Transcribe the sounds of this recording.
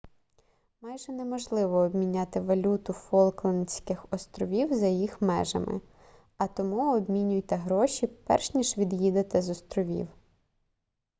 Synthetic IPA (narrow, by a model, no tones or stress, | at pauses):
mɑjʒɛnɛmɔʒlˠɪʋɔːbmʲinʲat̪ɪʋɐlʲut̪ʊfɔlˠklˠɐnsʲkɪxɔst̪ɾɔʋʲiwzɐjjixmɛ̰ʒɐ̰mɪ̰ | ɐt̪ɔmuɔbmʲinʲʊjt̪ɛɦɾɔʃʲipɛ̰rʃnʲiʃʋʲid̪jid̪et̪ɪzɔst̪ɾɔʋʲḭw